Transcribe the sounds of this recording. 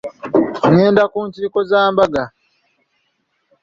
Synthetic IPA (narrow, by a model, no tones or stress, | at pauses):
ŋɛːndakuntikɔzaːmbaɡa